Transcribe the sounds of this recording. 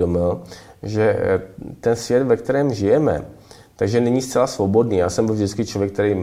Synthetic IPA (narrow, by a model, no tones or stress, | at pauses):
domɪlʒɛ | t̪ɛnsvjɛt̪vɛk̚t̪ɛɾɛːmʒɪjɛmɛ̰ | t̪aɡʒɛnɛɲist͡sɛlasvo̞bo̞dniːjaːsɛmbɪlvʒdɪt͡skɪt͡ʃlovjɛk̚t̪ɛɾejm